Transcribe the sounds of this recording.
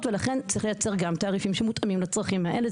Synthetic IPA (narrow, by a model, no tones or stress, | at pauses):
tvelaχe̞nt͡sʁiχle̞jat͡se̞ʁɡamt̪aːʁifimʃemut̪ʔamimlat͡sʁaχimhaʔele